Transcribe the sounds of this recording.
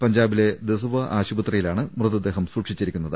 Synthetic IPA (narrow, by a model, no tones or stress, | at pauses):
pɐɲd͡ʑaːbile̞d̪esuʋɐʔaːɕubɐt̪rɐjilaːɳɨmrɨðɐd̪e̞ːɦɐmsuːʈʂit͡ɕːiɾikʲːunːɐðɨ